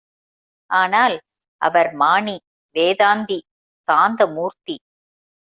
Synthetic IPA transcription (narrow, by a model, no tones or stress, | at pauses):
aːnaːl | ʔɐ̰ʋɐɾmaːɳi | ʋeːðaːnd̪i | kaːnd̪ɐmuːɾt̪i